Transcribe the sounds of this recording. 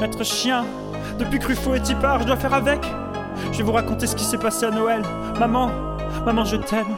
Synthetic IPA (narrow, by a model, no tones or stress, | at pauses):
mɛt̪χəʃjɛ̃ | d̪əpɥikχyfoet̪ipaʁʒəd̪wafɛʁavɛk | ʒəvɛvuʁakɔ̃t̪esə̥kʲisɛpaseanɔɛl | mamɑ̃ | mamɑ̃ʒət̪ʰɛm